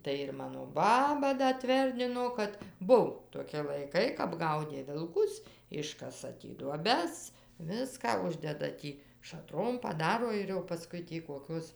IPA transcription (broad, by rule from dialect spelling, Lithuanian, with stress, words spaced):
tɐɪ ɪr ˈmɑːnoː ˈbɑːbɐ ˈdɐ ˈtʲʋʲɛrʲdʲɪnoː kɐt ˈbʊʋoː toːˈkʲɪ lˠɐɪˈkɐɪ kɐp ˈɡɐʊdʲeː ʋʲɪlˠˈkʊs ˈɪʃkɐsɐ tʲiː duɔˈbʲɛs ˈʋʲɪskɑː ˈʊʒʲdʲɛdɐ ˈtʲiː ʃɐˈtroːm pɐˈdɑːroː ɪr jɛʊ pɐˈskʊɪ tʲiː koːˈkʲoːs